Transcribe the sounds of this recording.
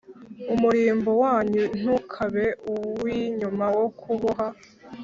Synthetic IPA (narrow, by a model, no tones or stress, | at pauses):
umuɾiːmbowaːɲun̥ukʰaβe̞uwiɲumawo̞kʰuβuɦa